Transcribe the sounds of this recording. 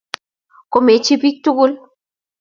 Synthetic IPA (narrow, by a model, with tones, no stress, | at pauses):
ko˨˦me˨t͡ʃi˦bi˦k̚tu˦ɡu˦l